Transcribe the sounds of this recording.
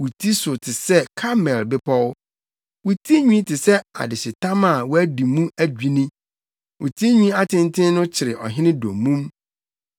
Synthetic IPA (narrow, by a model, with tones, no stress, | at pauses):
wu˨tʰi˦sʊ˨tʰɪ˨sɛ˦kʰa˦mɛ˨lbɪ˦pʰɔ˦w | wu˨tʰi˦ɲũ˦tʰɪ˨sɛ˦a̰˨dɪ˨sɪ˨tʰã˦mã˦˨wɔ˦æ˦di˨mũ˦æ˦d͡ʑᶣi˨nĩ˦ | wʔu˨tʰi˦ɲũ˦a˦tʰɪ̃˦ntʰɪ̃˦nʊ̃˦t͡ɕʰɪ˨ɾɪ˨ʔɔ˨ɦɪ̃˦nɪ̃˦dõ˨mːũ˦m